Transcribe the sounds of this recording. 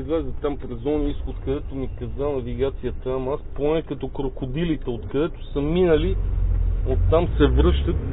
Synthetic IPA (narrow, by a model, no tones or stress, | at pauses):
zlɛzət̪ampɾɛzɔniisxot̪kɐd̪ɛt̪omikɐzanɐviɡat̪sijət̪əmasponɛkɐt̪ɔkɾokʊd̪ilit̪ɛot̪kɐd̪ɛt̪ʊ̥səminəli | ot̪ːamsɛvɾɤʃt̪ət̪